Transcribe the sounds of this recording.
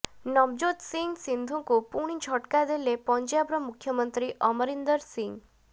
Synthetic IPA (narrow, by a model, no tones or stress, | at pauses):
nɔbd͡ʒot̪siŋɡsind̪ʱũkupuɽ̃id͡ʒʱɔʈkad̪elepɔnt͡ʃjabɾɔmukʰjɔmɔnt̪ɾiʔɔmɔɾind̪əɾsiŋɡ